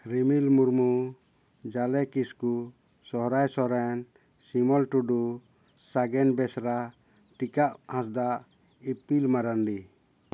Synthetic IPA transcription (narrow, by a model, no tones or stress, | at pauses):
ɾimilmuɾmu | d͡ʒalɛkisku | sɔɦɾajsɔɾan | simɔlʈuɖu | saɡɛnbɛsɾa | ʈikaʔhãs̬d̪aʔ | ipilmaɾanɖi